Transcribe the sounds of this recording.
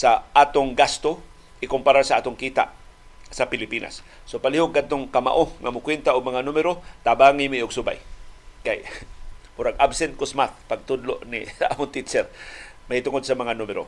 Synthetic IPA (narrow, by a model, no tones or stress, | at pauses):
saʔaːt̪oŋɡast̪o | ʔɪkʊmpaɾasaʔaːt̪ʊŋkiːt̪a̰ʔ | sapɪlɪpiːna̰sː | opalihoɡ̚ɡːad̪̚t̪oŋkama̰ʔoŋamʊkwɛnt̪aʊɡ̚maŋanumɪɾot̪abaŋimiʊɡsʊba̰jkaj | ʊɾaɡʔabsɛnt̪̚kʊsmaθ̚paɡ̚t̪ʊd̪loʔnɪ̰a̰ːmʊnt̪it͡ʃɛɾmahit̪ʊŋod̪̚samɐŋanumɪɾo̰